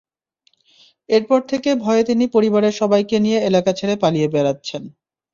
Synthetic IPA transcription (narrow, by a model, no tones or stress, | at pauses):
eɾpɔɾt̪ʰekebʱɔeet̪inipoɾibaɾeɾʃɔbajkenijeelakat͡ɕʰeɾepalijebeɾatːɕʰen